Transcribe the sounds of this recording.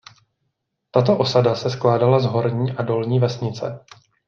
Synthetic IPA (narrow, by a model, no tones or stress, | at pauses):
t̪at̪̬o̞ʔo̞sadasɛsklaːdalazɦo̞ɾɲiːʔado̞lɲiːvɛsɲɪt͡sɛ̰